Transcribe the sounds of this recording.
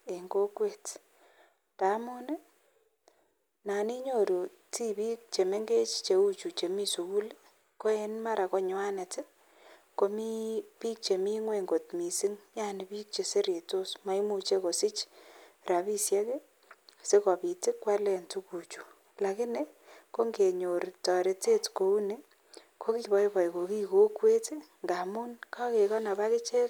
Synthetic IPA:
e˨ŋɡo˦kwe˦t | ta˨˦mʊ˦ne˦ | na˨ni˦ɲo˦ɾu˨ | ti˦piː˦k̚t͡ʃe˨me˦ŋɡe˦t͡ʃt͡ʃe˨u˦t͡ʃu˨t͡ʃe˨mi˦su˨ku˦l | ko˦e˦nma˦ɾʔa˨ko˦ɲʊ˦a˦ne˨tɪ˦ | ko˧mi˦piː˦k̚t͡ʃe˨mi˦ŋwe˨ŋɡo˨tmi˨si˦ŋɲa˦nɪ˨pi˦k̚t͡ʃe˨se˦ɾje˨to˦sma˨˦jmu˨t͡ʃe˦ko˨sɪ˦t͡ʃ | ɾa˨pi˦sjɛ˦ke˦ | se˦kɔ˨pi˨tɪ˦kːwa˦lɛ˨ntu˦ku˨t͡ʃu̥˨ | la˨kɪ˦ne˦ | ko˦ŋɡe˨ɲo˨ɾtɔ˨ɾe˨te˦tko˨u˦ne˨ | kʰo˦ki˦bɔ˦jbɔ˨jko˨ki˦ko˦kwe˦tɪ˦ŋɡa˨mu˦nka˦ke˨kɔ˦na˨ba˦kɪ˦t͡ʃe˦k

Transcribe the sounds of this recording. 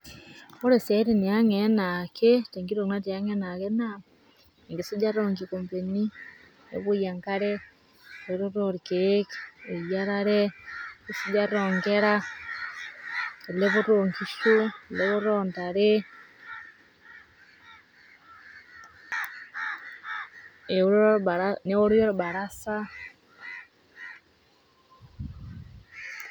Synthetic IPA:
o˦ɾe˨sa˨˦ɾe˨ne˨a˦ŋenakete˨ŋɡi˦ɾo˨na˦te˨ja˦ŋe˦na˨ke˦na˨ | ŋɡe˨so˦d͡ʒa˦ɾoŋɡikompe˨ni˦ | ḛβo˦ja˨ŋka˦ɾe˦ | ɾeɾoɾoɾikeke˨jaɾaɾe˦ɡe˨so˦d͡ʒaɾoːŋɡeɾa˦ | e˨leβu˦ɾoŋki˦ʃu˦˨le˦βu˦ɾonta˨ɾe˦ | e˦ɾɾaɾane˦o˦ɾjo˦ɾuba˨ɾasa˦

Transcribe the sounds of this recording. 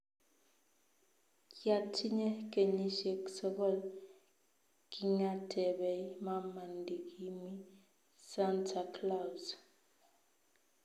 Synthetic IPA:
ja˨tʰi˦ɲɛ˦ke˨ɲi˦ʃe˨ksɔ˦kɔ˦˨l | ki˦˨ŋa˦tʰɛ˨βɛ˨˦ma˦ma˨ndi˨ki˦mi˦ | sa˦ntʰa˨kla˦˨wz

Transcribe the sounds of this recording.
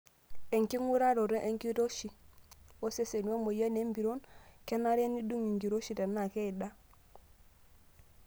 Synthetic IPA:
e˨ŋki˦ŋu˦ɾa˦ɾo˨ɾe˦ʔe˦ŋki˦ɾo˦ʃi˨o˦se˦se˨nu˦o˦mo˨je˦ne˦mbi˨ɾo˦nke˦na˦ɾe˦ni˦du˦ŋi˨ŋɡi˨ɾo˦ʃi˨te˨nːa˨ke˦i˨da˦

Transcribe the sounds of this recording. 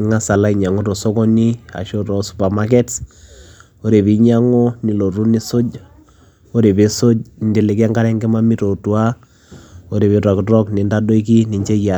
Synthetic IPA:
ŋa˦sa˨la˦i˨ɲa˨ŋo˦to˨sɔ˦kɔ˦ni˦a̰˨ʃo˦tɔ˨su˨pa˨ma˦k̬ɛ˦t | o˦ɾe˨bi˨˦ɲa˦ŋo˦ni˨lo˨ɾu˦ni˦so˦d͡ʒ | o˦ɾe˨be˨so˦d͡ʒndi˨le˨kɛ˦ŋɡa˦ɾɛ˦ŋɡe˦ma˦mi˦to˨tu˨˦a˦ | o˦ɾe˨pe˨ta˨ktɔ˦kni˨nda˦do˦i˦k̬i˦ni˨ɲt͡ʃe˦ja˨

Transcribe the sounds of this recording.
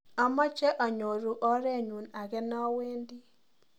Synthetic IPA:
a˦mɔ˦t͡ʃɛ˦ʔɔ˨ɲo˨ɾu˦ʔɔ˦ɾɛ˦˨ɲu˨na˨ɡɛ˦nɔ˦we˦ndi˦

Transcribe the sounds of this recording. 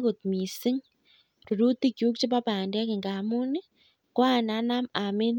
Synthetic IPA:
ko˨t̪̚mi˨sɪ˦ŋ | ru˨ɾu˦ti˦kju˦k̚t͡ʃe˦pa˦paː˨nda˦ki˨ŋɡa˨mu˦ni˦ | kwa˦˨na˨˦na˦ma˨me˦n

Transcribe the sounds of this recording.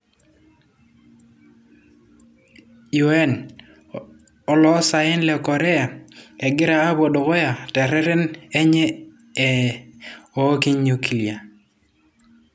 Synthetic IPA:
ju˨˦ɛ˦n | ɔ˦lɔ˦sa˨ɪ˦nlɛ˨kɔ˨ɾɛ˦a˨ɛ˨ɡɪ˦ɾaː˦bo˨do˨kɔ˦ja˨tɛ˨ɾɛ˦ɾɛ˦nɛ˦ɲɛː˦˨ | o˨˦ki˦ɲɲu˨ki˨li˨a˨

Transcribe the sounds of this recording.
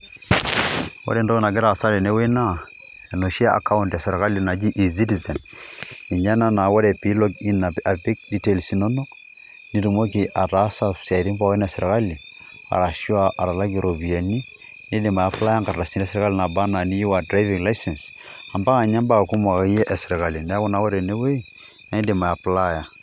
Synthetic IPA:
wo̰˦ɾe˨ndo˦ɣna˨ɡ̬ɪ˦ɾa˨sa˦lɛ˨ne˦we˦na˦ | ɛ˨no˨ʃi˦a˦ʔa̰˨ka˦ʊ˦ntja˨sɛ˨ɾka˦li˨na˨ki˦ʔi˨zi˦ti˨zɛ˨n | i˨ɲa˦na˦na˨wo˦ɾɛ˨pi˨˦lɔ˦ki˦na˨a˨bi˦k̚di˦te˨lsi˨nɔ˦no˦ | ni˦ɾu˨mo˦k̬i˨ʔa˨ta˨˦sa˨sa˨ɾi˦mpa˦i˦na˨sɛ˨ɾka˦li˨ | a̰˨ɾa˨ʃi˦a˨ʔa˨ɾa˨la˦ɡi˨ɾo˨bi˨a˨ni˦ | ne˦di˨ma˨a˨pla˦ja˦ŋka˨ɾa˨si˦nɛ˦sɪ˨ɾka˦li˨na˨ba˦na˨ni˦ju˦wa˨dɾa˦i˦vi˨ŋla˦jsɛ˨ns | a˨mba˦a˨ɲa˦mba˦˨ku˦ma˨ka˦jɛ˦ʔɛ˨sɪ˨ɾɛ˨ka˨li˨nɛ˦a˦ku˦na˨˦wɔ˦ɾɛ˨ne˦we˦i˦ne˦di˨ma˨a˨pla˦ja˨

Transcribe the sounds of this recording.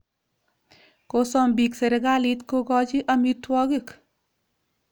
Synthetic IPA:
ko˨sɔ˦mbi˨kse˨ɾɛ˨ɡa˦li˦t̪ko˦ɡɔ˦d͡ʒɪ˦ʔa˦mi˦t̪wɔ˦ɡi˦k

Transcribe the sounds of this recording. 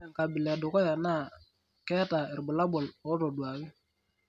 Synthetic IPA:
ɛ˨ŋ˨ka˨bɪ˨lɛ˨dʊ˨kɔ˦ja˨na˦˨ | kɛ˦ta˨ɪ˨ɾbʊ˨la˦bɔ˨lɔ˨˦ɾɔ˨dwa˨kɪ˦

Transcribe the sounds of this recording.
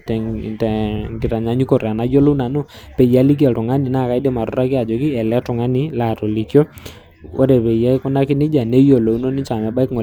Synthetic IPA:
tɛ˨tɛ˨ŋɡɪ˨ta˨ɲa˨˦ɲu˦kɔ˨ra˨na˦jo˦lo˦na˨nʊ˦pɛ˨ja˨˦li˦k̬jɛ˨tʊ˨ŋa˦nɪ˨na˦˨ka˦jde˦ma˨ɾʊ˦ɾa˦kɪ˦a˨d͡ʒɔ˨kɪ˦ɛ˨lɛ˦tʊ˨ŋa˦nɪ˨˦la˦˨tɔ˨li˨kjɔ˦ | o̰˦ɾɛ˨pɛ˨ja˦kʊ˦na˦kɪ˦nɪ˦d͡ʒa˨ne˦jo˨lo˨u˦no˦nɪ˦t͡ʃa˨mɛ˨ba˦ɪ˦kŋɔ˨

